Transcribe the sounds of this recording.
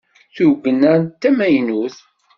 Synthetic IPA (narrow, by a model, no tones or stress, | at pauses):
θuɡənænt̪ːæmæjnuθ